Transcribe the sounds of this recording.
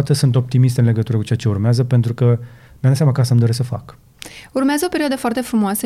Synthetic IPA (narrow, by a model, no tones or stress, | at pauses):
t̪əsunt̪o̞p̚t̪imist̪ɨnle̞ɡət̪uɾəkut͡ʃe̞at͡ʃe̞urmeazəpe̞nt̪ɾukə | mʲejad̪at̪sjamakasəmd̪oɾesəfa̰k | urmeazəo̞pe̞ɾiad̪əfoart̪e̞fɾumoasə